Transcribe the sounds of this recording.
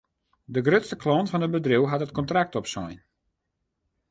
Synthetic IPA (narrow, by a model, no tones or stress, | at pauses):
dəɡrøtstəklɔntfɔnəbədriwɦatət̚kɔntrak̚tɔpsɔjn